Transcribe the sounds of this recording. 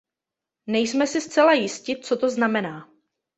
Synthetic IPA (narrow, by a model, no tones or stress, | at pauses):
nɛjsmɛsɪst͡sɛlajɪscɪt͡so̞t̪o̞znamɛnaː